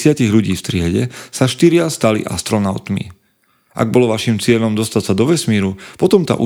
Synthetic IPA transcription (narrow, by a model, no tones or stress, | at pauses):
sɪaciɣʎuɟiːft̪ɾɪɛɟɛsaʃt̪iɾɪast̪alḭʔa̰st̪ɾɔnaʊt̪mḭ | ʔa̰ɡ̚bɔlɔʋaʃimt͡sɪɛʎɔmd̪ɔst̪acsad̪ɔʋɛsmiːɾupɔt̪ɔmt̪a̰ːʔu